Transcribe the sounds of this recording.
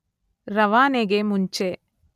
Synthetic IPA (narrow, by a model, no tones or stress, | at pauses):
ɾɐʋaːneɡemuɲt͡ʃe